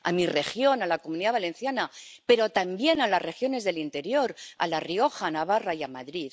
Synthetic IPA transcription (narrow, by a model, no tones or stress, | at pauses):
a̰mire̞xjo̞nalako̞muniðaβ̞alẽ̞nθjanape̞ɾo̞t̪ambje̞nalasre̞xjo̞ne̞zðe̞lint̪e̞ɾjo̞ɾa̰lario̞xanaβarajamaðɾið